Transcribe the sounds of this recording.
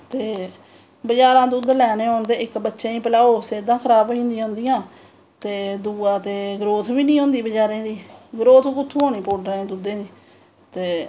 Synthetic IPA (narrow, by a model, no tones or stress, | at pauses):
t̪eː | bəd͡ʒaːɾãːd̪uːd̪lɛːneːont̪eːɪkbətːʃẽːĩːpəlaːoːseːd̪ãːkʰəɾaːboːĩːnd̪ioʊ̃ːnd̪ijãː | t̪eːd̪uːãːt̪eːɡɾoːt̪ʰbiːnĩːɦõːnd̪iːbəd͡ʒaːɾẽːd̪iːɡɾoːt̪ʰːkʊt̪ʰːuːɦoːniːpoːʈɾəẽːd̪uːd̪ẽːd̪iː | t̪eː